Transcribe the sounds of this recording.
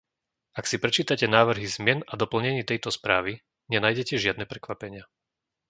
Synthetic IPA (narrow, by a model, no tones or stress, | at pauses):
aksipɾɛt͡ʃiːt̪acɛnaːʋr̩ɦizmɪɛnad̪ɔpl̩ɲɛɲiːt̪ɛjt̪ɔspɾaːʋi | ɲɛnaːjɟɛcɛʒɪad̪nɛpɾɛkʋapɛɲɪa